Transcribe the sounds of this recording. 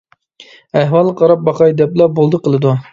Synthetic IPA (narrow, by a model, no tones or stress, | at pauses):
æɦwɑlˠqʰɑɾɑp̚bɑqɑjd̪ɛplˠɑbolˠd̪əqəlˠɨd̪u